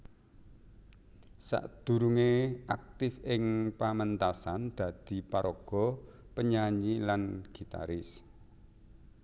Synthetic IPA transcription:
sa̰ʔd̪̥ṳɾuŋeʔak̚t̪ɪfɪŋpamənt̪asand̪̥a̤d̪̥i̤paɾɔɡ̥ɔ̤pəɲaɲilanɡ̥i̤t̪a̰ɾɪs

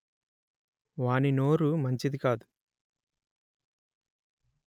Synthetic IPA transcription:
ʋaːnino̞ːɾumɐɲt͡ʃid̪ikaːd̪u

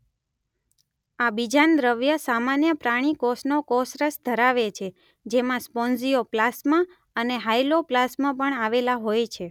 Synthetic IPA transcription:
abid͡ʒand̪ɾəʋjəsamanjəpɾaɽ̃ikɔsnokɔsɾəsd̪ʱəɾaʋet͡ʃʰe | d͡ʒemãspɔnzioplasmã | əneɦajloplasmãpəɳaʋelaɦojt͡ʃʰe

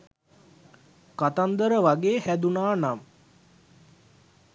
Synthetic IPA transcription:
kat̪and̪əɾəʋaɡeːhæd̪unaːnam

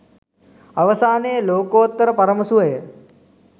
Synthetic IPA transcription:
ɐʋɐsaːneːloːkoːt̪ːɐɾɐpɐɾɐmɐsuɐj

